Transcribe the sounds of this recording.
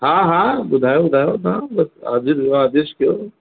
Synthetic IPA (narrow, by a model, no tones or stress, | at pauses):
ɦãɦãbʊd̪ʱaːjobʊd̪ʱaːjonãbɐsa̰ːd͡ʒiɾaaːd̪eʃkjoː